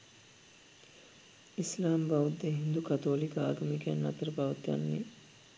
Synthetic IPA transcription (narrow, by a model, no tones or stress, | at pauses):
islaːmbaʋud̪ːeɦind̪ukat̪oːlikəaːɡɐmekænːɐt̪əɾəpaʋɐt̪ja̰nːe